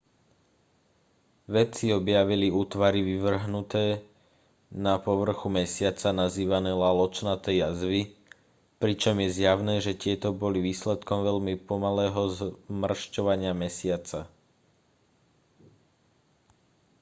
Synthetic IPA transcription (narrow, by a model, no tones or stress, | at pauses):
ʋɛt͡siɔbjaʋiliuːt̪ʋaɾiʋiʋr̩ɦnut̪ɛː | napɔʋr̩xumɛsɪat͡sanaziːʋanɛːlalɔt͡ʃnat̪ɛjazʋi | pɾit͡ʃɔmjɛzjaʊnɛːʒɛt̪ɪɛt̪ɔbɔliʋiːslɛt̪kɔmʋɛʎmipɔmalɛːɦɔzmr̩ʃcɔʋaɲɪamɛsɪat͡sa